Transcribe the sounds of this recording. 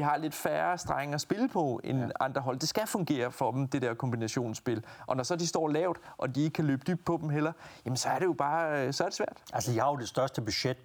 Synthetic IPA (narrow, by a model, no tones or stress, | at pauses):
iɦɑ̈le̝d̥fæːɐsd̥ʁaŋɐːsb̥e̝lpʰɒ̽enɑ̈nd̥ʁɐɦɒ̽l̰d̥e̝sɡ̥æfɔ̽ŋɡ̥e̝̰ːɐfɒ̽d̥em̩d̥e̝ɾɛɐkʰɒ̽mbinæɕo̝̰ːnsb̥e̝lʔɒ̽nɒsɒ̽d̥isd̥ɒ̰ːlɛʊd̥ʔɒ̽d̥ie̝ɡ̥ə̥kʰæløːb̥əd̥yb̥̚d̥̚pʰɒ̽d̥em̩ɦel̰ɐjæmensɒ̽æɐɾ̥e̝jo̝b̥ɑ̈ːsɒ̽æɐɾ̥esʋæɐ̰d̥ʔælsəihɑ̈od̥e̝sd̥ɶɐsd̥əb̥yɕed̥